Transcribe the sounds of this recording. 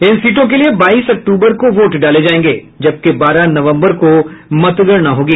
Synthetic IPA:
ɪnsiːʈõk̬eliebaːiːsɐk̚ʈuːbəɾkoʋoːʈɖaːled͡ʒaːẽːŋɡḛː | d͡ʒɐb̚kebaːɾanɐʋə̃mbəɾkomɐt̪ɡəɾnaɦoːɡiː

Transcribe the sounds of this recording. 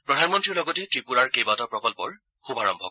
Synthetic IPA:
pɹɔdʱanmɔntɹiɹlɔɡɔtɛtɹipuɹaɹkejbatɔpɹɔkɔlpɔɹ | xubʱaɹɔmbʱɔ̰

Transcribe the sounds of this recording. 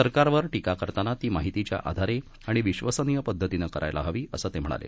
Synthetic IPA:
səɾkaɾʋəɾʈikakəɾt̪anat̪iːmaɦit̪it͡ɕja̰ʔa̰d̪ʱaɾe | aɽ̃iʋiɕʋəsənijəpəd̪ʱːət̪inəkəɾa̰jlʔa̰ɦəʋiːəsəːt̪em̤əɽ̃a̰lḛ

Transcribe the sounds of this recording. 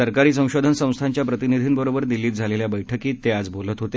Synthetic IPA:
əɾkaɾiːs̬ə̃w̃ɕod̪ʱənsə̃w̃st̪ʰaɲt͡ɕjapɾət̪inid̪ʱiːnbəɾobəɾd̪ilːiːt̪̚d͡zʱaleljabəjʈʰəkiːt̪ead͡zbolət̪ɦot̪e

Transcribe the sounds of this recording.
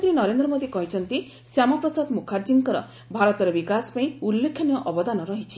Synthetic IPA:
k̪ɾinɔɾend̪ɾɔmod̪ikɔɦit͡ʃʰɔnt̪i | sjamɔpɾɔsad̪mukʰaɾd͡ʒiŋkɔɾɔ̰ | bʱaɾɔt̪ɔɾebikasɔ̥paĩulːekʰjɔnijɔʔɔbɔd̪anɔɾɔɦit͡ʃʰi̥

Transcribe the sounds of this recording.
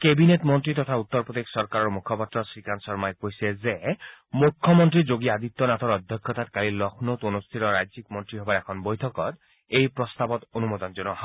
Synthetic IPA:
kebinetmɔnt̪ɾit̪ɔt̪ʰaut̪ːɔɾpod̪eksɔɾkaɾɔɾmukʰɔpat̪ːɾɔsɹikʰansɔɾmajkojsezemukʰːɔmɔnt̪ɾid͡ʒoɡiad̪it̪ːɔnat̪ʰɔɾɔd̪ʱjɔkʰːjɔt̪at̪kalilɔkʰnot̪onust̪ʰiɾɔɾajd͡ʒikmɔnt̪ɾiɦɔbaɾɛkʰɔnbɔjt̪ʰɔkɔt̪ | ejpɾɔst̪abɔt̪onumɔd̪ɔnd͡ʒɔnɔɦa

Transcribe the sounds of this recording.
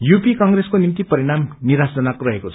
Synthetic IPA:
jupikʌŋɡreskonimt̪ipʌɾiɽ̃amniɾasd͡zʌnakorʌɦekot͡sʰ

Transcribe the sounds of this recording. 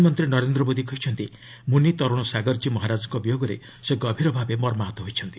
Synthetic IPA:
mɔnt̪ɾinɔɾend̪ɾɔbod̪ikɔjt͡ʃʰɔnt̪i | munit̪ɔɾɔɽ̃ɔsaɡɔɾd͡ʒimɔɦaɾad͡ʒɔkɔbijoɡɔɾḛ | seɡɔbʱiɾɔbʱabemɔɾmaɦɔt̪ɔɦojt͡ʃʰɔnt̪i̥

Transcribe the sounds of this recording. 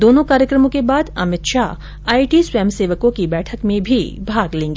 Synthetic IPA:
d̪oːnõkaːɾjəkɾəmõkebaːd̪ɐ̰mɪt̪ʃaː | aːiʈiswɛːmseːʋəkõkibɛːʈʰəkmẽbʱibʱaːɡlẽːŋɡeː

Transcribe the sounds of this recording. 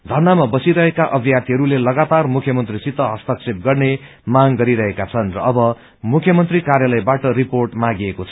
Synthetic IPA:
d̪ʱʌrnamabʌsiɾʌɦekaʔʌbʱjat̪iɦʌɾulelʌɡat̪armukʰjʌmʌnt̪risit̪ʌɦʌst̪ʌksep̚ɡʌrne | maŋɡʌɾiɾʌɦekat͡sʰʌnrʌːbʌ | mukʰjʌmʌnt̪rikarjalʌjbaʈʌriporʈmaɡiekot͡sʰʌ

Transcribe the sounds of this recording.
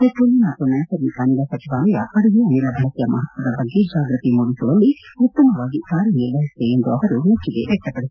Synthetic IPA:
et͡ʃːulːinaːt̪unɐjɐsɐɾnikɐnilɐsɐt͡ʃiʋaːlɐjɐpɐɽuʋeɐnilɐbʱɐɭɐk̪ɐjɐmɐ̰ɦɐt̪ʋɐd̪ɐbɐɡːed͡ʒaːɡɾɐt̪imuːɽisuɽɐlːiut̪ːɐmɐʋaːɡikaːɾjɐniɾʋɐɦist̪eend̪uɐʋɐɾumet͡ʃːiɡeʋɛk̚ʈɐpːɐɽu

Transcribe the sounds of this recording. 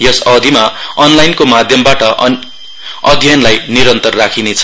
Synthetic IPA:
jʌsʌd̪ʱimaʌnlajnkomad̪ʱjʌmbaʈʌ | ʌd̪ʱjʌnlajniɾʌnt̪ʌrrakʰinet͡sʰʌ

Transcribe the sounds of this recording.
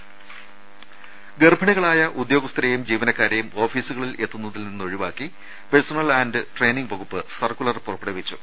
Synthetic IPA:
ɡerbʱɐɳiɣɐɭaːjɐʔud̪jo̞ːɡɐst̪ɐɾejumd͡ʑiːʋɐnɐkːaːɾjɐjumo̞ːfiːsuɣɐɭile̞t̪ːunːɐðilninːo̞ɻiʋaːkːi | peɻsɐnɐlaːnɖɨʈre̞jːniŋɡʋɐɣupːɨsɐrkːulɐrpurɐpːeɽɐʋit͡ɕːu

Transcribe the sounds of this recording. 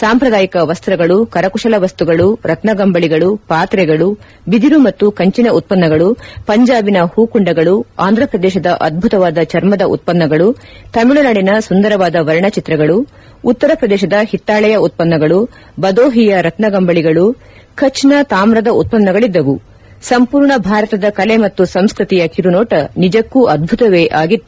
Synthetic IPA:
saːmpɾɐd̪aːjikɐʋɐst̪ɾɐɡɐɭukɐɾɐkuʂɐlɐʋɐst̪uɡɐɭuɾɐt̪nɐɡɐmbɐɭiɡɐɭupaːt̪ɾɛɡɐɭu | bid̪iɾumɐt̪ːukɐɲt͡ʃinɐut̪̚pɐnːɐɡɐɭupɐɲd͡ʒaːbinɐhuːkuɳɖɐɡɐɭuaːnd̪ʱɾɐpɾɐd̪ɛːʃɐd̪ɐʔɐd̪̚bʱut̪ɐʋaːd̪ɐt͡ʃɐɾmɐd̪ɐʔṵt̪̚pɐnːɐɡɐɭu | t̪ɐmiɭulaːɽinɐsund̪ɐɾɐʋaːd̪ɐʋɐɾɐɳɐt͡ʃit̪ɾɐɡɐɭuː | t̪ːɐɾɐpɾɐd̪ɛːʃɐd̪ɐhit̪ːaːɭɛjɐut̪̚pɐnːɐɡɐɭu | bɐd̪oːɦijɐɾɐt̪nɐɡɐmbɐɭiɡɐɭu | kʰɐt͡ʃnɐt̪aːmɾɐd̪ɐut̪̚pɐnːɐɡɐɭid̪ːɐʋu | sɐmpuːɾɳɐbʱaːɾɐt̪ɐd̪ɐkɐlemɐt̪ːusɐmskɾit̪ijɐkiɾunɔːʈɐnid͡ʒɐkːuʔɐd̪̚bʱut̪ɐʋeːʔaːɡit̪ːu

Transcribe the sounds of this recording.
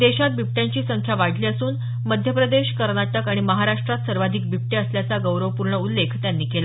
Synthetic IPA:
d̪eɕat̪̚bip̚ʈjaɲt͡ɕiːsəŋkʰjaʋaɽ̤ʱliːəsuːn | məd̪ʱjəpɾəd̪eɕkəɾɳaʈəkaɽ̃iməɦaɾaʂʈɾat̪səɾʋad̪ʱik̚bip̚ʈeəsljat͡saɡəwɾəʋəpuɾɳəulːekʰt̪janːiːkela

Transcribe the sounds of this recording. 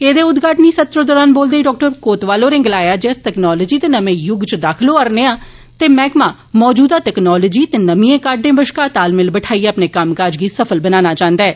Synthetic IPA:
eːd̪eːʊd̪ɡaːʈniːsət̪ɾəd̪ɔːɾaːnboːld̪eːiɖɔːk̚ʈəɾkoːt̪ʋaːloːɾɪ̃ŋɡlaːjaːd͡ʒeːstɛːknɔːləːd͡ʒiːt̪eːnəmẽːjʊɡt͡ʃəd̪aːkʰloːəɾneːãː | t̪eːmɛ̃ːkmãː | mɔːd͡ʒuːd̪aːʈɛːknɔːləːd͡ʒiːt̪eːnəmĩẽːkaːɾɖẽːbəʃkaːt̪aːlmɪlbəʈʰaːiːaːpneːkəmkaːd͡ʒɡiːsəpʰəlbənaːnaːt͡ʃãːnd̪aɛː

